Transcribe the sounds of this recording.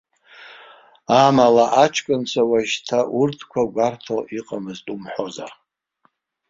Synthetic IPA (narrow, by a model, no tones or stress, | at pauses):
amalaʔat͡ʃʰkʼɨnt͡sʷʰawaʒtʰaʔurtʰkʷʰaɡʷartʰoʔiqʼamɨztʼumħoza̰r